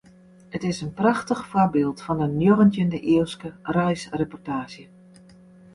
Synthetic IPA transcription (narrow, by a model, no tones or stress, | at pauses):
ətɪsənprɑxtəxfɔbɪːlˠtfɔndənjoɣəntjəndəʔiəlˠskərɛjsrepɔrtaːʃjə